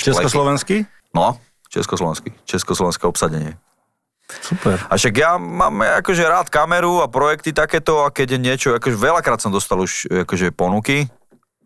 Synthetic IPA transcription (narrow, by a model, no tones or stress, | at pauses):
t͡ʃɛskɔslɔʋɛnski | nɔ | t͡ʃɛ̰skɔslɔʋɛ̰nskit͡ʃɛskɔslˠɔʋɛnskɛɔpsaɟɛɲɪɛ | supɛɾaʃaɡjama̰ːmakɔʒɛɾaːt̪kamɛɾuapɾɔjɛk̚t̪it̪akɛːt̪ɔakɛɟjɛɲɪɛt͡ʃɔakɔʒɛʋɛʎakɾaːt̪sɔmd̪ɔst̪aluʃakɔʒɛpɔnuki